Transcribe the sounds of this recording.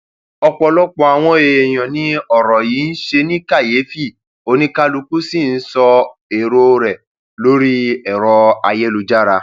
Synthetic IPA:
ɔ˧k͡pɔ˧lɔ˦k͡pɔ˧a˧w̃ɔ̃˧e˧ɛ˨j̃ɔ̃˨nĩ˨˦ɔ˦˨ɾɔ˨ji˨˦n̩˦ʃe˧nĩ˦ka˦˨jeː˨˦fi˦˨ | o˧˦nĩ˦ka˦lu˧ku˦si˦˨n̩˦sɔ˧e˨ɾo˧ɾɛ˨ | lo˦ɾi˦ɛ˨ɾɔ˧a˧je˦lu˧d͡ʒa˦ɾa˧

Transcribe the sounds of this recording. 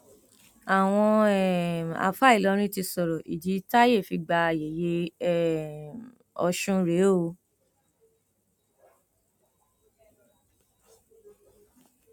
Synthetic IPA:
a˨w̃ɔ̃˧ɛ˨a̰˨fa˦i˦˨lɔ˨˦ɾ̃ĩ˦ti˧sɔ˨ɾɔ˨ʔi˨di˨˦ta˦je˦˨fi˧ɡ͡ba˧˨je˨je˧˦˨ | ɔ˧ʃũ˦ɾe˨˦o˧

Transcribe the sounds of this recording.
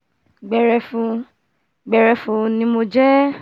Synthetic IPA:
ɡ͡bɛ˨ɾɛ˨˧fũ˧ | ɡ͡bɛ˨ɾɛ˨˧fũ˧nĩ˧˦mo˧d͡ʒɛ˦

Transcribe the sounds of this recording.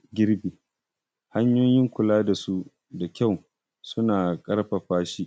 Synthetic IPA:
ɡʲɪ˦ɾbiː˨ | ha˦ɲjoː˦jɪ˦ŋkʷʊ˨laː˦da˨su˦ | da˨kʲa˦˨w | sʊ˦naː˨kʼɐ˦ɾɸa˨ɸaː˦ʃi˦ʔ

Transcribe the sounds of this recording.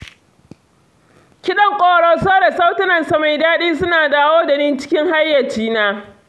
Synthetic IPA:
kʲɪ˦ɗɐ˦ŋkʷʼoː˦˨ɽɔ˦soː˦ɽe˨sa˦wtɪ˦nɐ˨nsa˨ma˨jdaː˦ɗiː˦s̬ʊ˦naː˨daː˦woː˦da˨ni˦nt͡ʃɪ̥˦kʲɪ˦ŋha˦jːɐ˨rt͡ʃiː˦naː˦

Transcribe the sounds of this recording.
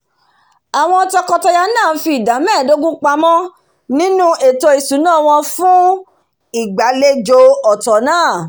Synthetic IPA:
a˨w̃ɔ̃˧tɔ˧kɔ˧tɔ˧ja˧nãː˦˨˦fi˧i˨da˨˦mɛ̃ː˦˨do˦ɡũ˦k͡pa˧˦mɔ̃˦ | nĩ˦nũ˦ʔe˨to˧i˨sũ˨˦nãː˦˨w̃ɔ̃˧fũ˦ | i˦˨ɡ͡ba˨le˦d͡ʒo˧˦ɔ˨tɔ˨˦nãː˦˨

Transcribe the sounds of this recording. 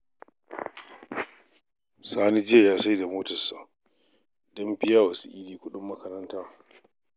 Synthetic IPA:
saː˦ni˦d͡ʒɪ˦ja˨jaː˦sa˦jda˨moː˦tɐ˨sa˨ | dɔ˦mbɪ˦jaː˦wa˨sḭ˦ʔiː˦liː˦kʷʊ˦ɗʊ˦mːɐ˦kɐ˦ɾɐ˦ntaː˦

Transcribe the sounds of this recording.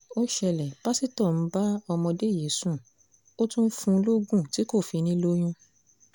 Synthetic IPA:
o˦ʃɛ˧lɛ˨ba˦si˦tɔ˦˨n̩˨˦ba˦ɔ˧mɔ̃˧de˦˨je˨˦sũ˦˨ | o˦tũ˦n̩˦fũ˧˦lo˦ɡũ˦˨ti˨˦ko˦˨fi˨˧nĩ˦lo˦j̃ũ˦

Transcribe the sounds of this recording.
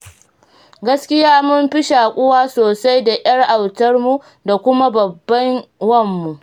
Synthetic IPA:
ɡɐ˦skʲɪ˦jaː˦mʊ˦mɸɪ˦ʃaː˨kʷʼʊ˦waː˦soː˨sa˦jda˨ʔʲj̰ɐ˦rʔa˨wtɐ˦rmu˦ | da˨kʷʊ˦ma˦bɐ˨bːɐ˦nwɐ˦˨mːu˨ʔ

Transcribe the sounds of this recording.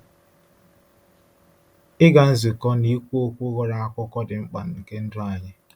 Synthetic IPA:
ɪ˦ɡa˨n̩˦zi˨kɔ˦ni˦kʷu˦o˦kʷu˦ɣɔ˦ɾa˨a˦kʷɔ˦kɔ˦dɪ˨ŋ͡m̩˦k͡pa˨n̩˨ŋ̩˨ke˦n̩˦dʊ˦a˨ɲɪ˦

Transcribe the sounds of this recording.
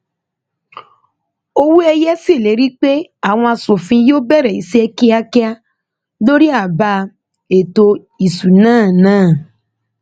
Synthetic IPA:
o˧wu˦ɛ˧jɛ˦si˦˨le˨˦ɾi˦k͡pe˦a˦˨w̃ɔ̃˧a˧so˨fĩ˧joː˦bɛ˦˨ɾɛ˨i˨˦se˦ɛ˧ki˦a˧kɛ˦a˧ | do˦ɾi˦a˦˨ba˧ | e˨to˧ | i˨su˨nãː˦˨nãː˦˨

